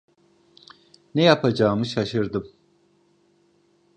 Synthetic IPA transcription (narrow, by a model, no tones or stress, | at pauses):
nɛjapʰad͡ʒaːmɯʃaʃɯɾd̪ɯm